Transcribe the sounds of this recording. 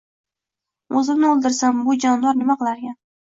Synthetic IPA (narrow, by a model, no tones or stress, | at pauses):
ozɪmnɪolˠd̪ɪɾsambʊd͡ʒɒnd̪ɒɾnɪmaqɨlˠaɾɡʲan